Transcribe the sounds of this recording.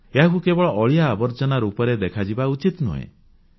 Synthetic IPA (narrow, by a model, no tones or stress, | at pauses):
eɦakukebɔɭɔʔɔɭijaːbɔɾt͡ʃɔnaɾupɔɾed̪ekʰad͡ʒibaut͡ʃit̪nṵɦḛ̃